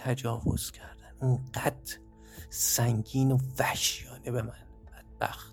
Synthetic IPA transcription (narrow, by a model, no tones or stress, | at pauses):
t̪ʰæd͡ʒɒːvo̞̰z̥cʰæɾd̪æninɢæd̪̥ | sæŋɡiːnovæhʃjɒːnebemæn | b̥æd̪̥̚b̥æ̰xt̪